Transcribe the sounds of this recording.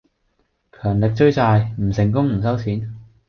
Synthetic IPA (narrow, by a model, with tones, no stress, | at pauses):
kʰœː˨˩ŋlɪ˨k̚t͡ʃɵ˥˧ɥt͡saː˧jm̩˨˩sɪ˨˩ŋkʊ˥ŋm̩˨˩s̬ɐ˥wt͡sʰiː˨˥n